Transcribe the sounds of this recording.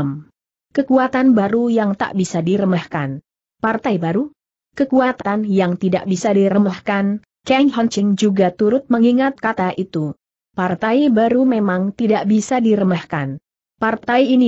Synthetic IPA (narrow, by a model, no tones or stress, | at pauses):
m | kəkuat̪anbaɾujaŋt̪a̰ʔbisadiɾəmahkan | part̪ajbaɾu | kəkuat̪anjaŋt̪ida̰ʔbisadiɾəmahkan | kɛŋɦɔnt͡ʃɪŋd͡ʒuɡat̪uɾʊt̪̚məŋiŋat̪̚kat̪aʔit̪u | part̪ajbaɾumemaŋt̪idaʔbisadiɾəmahkan | part̪ajini